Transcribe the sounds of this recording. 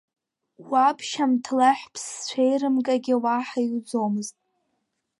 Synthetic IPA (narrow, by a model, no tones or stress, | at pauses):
wʷapʰʃamtʰlaħʷᶣpʰst͡ʃʷʰejrɨmkʼaɡʲɪwaħajud͡zomɨztʼ